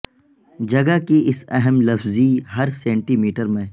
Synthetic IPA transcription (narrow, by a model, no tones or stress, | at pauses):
d͡ʒɐɡəkiɪsɛɦɛmlɐfziɦɐɾsẽːɳʈiːmiːʈəɾmẽ